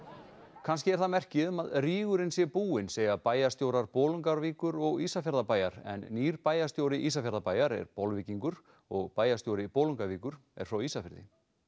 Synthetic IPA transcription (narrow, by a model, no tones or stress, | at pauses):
kʰanscɪɛɾθamɛr̥cɪʏmaðriːɣʏɾɪnsjɛpuːɪnseːjɣapaːjast̪joːwɾaɾpoːlʏŋkaɾviːkʏɾɔɣiːsafjaɾðapaːjaɾɛ̰nːiːɾpaːjast̪jowɾɪʔiːsafjaɾðapaːjaɾɛ̰ɾpowlviːciŋkʏɾ | ɔɣpaːjast̪jowɾɪpoːwlʏŋkaviːkʏɾ̥ɛ̰ɾ̥fɾawiːsafɪɾðɪ̰